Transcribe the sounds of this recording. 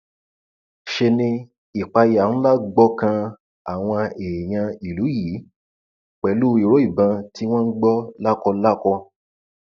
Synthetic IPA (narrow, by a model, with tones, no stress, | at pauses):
ʃe˧nĩ˧ | i˨k͡pa˧ja˨ñ̩˦la˦ɡ͡bɔ˦kã˧ | a˨w̃ɔ̃˧e˨j̃ã˧i˨lu˨˦ji˨˦ | k͡pɛ˨lu˦i˨ɾo˨˦i˦˨bã˧tʰi˦w̃ɔ̃˦n̩˦ɡ͡bɔ˦la˦kɔ˧la˦kɔ˧